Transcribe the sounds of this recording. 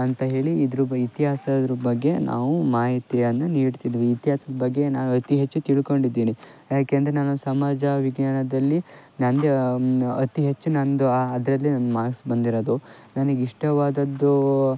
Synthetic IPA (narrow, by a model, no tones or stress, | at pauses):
ɐnt̪ɐɦe̞ːɭiːd̪ɾuit̪iɦaːsɐd̪ɾubɐɡːe̞nʔa̰ːʋumaːɦit̪ijɐnːɐniːɖt̪id̪ːʋiːt̪iɦaːsɐd̪ɐbɐɡːe̞naːnuɐt̪iɦet͡ʃːut̪iɭiko̞ɳɖid̪ːiːni | jaːkeɐnd̪ɾenaːnusɐmaːd͡ʒɐʋiɡnaːɳɐd̪ɐlːinɐnd̪eɐt̪iɦet͡ʃːunɐnd̪uɐd̪ɾɐlːinɐnd̪umaːɡsbɐnd̪iɾod̪u | nɐnɐɡiʂʈɐʋaːd̪ɐd̪ːu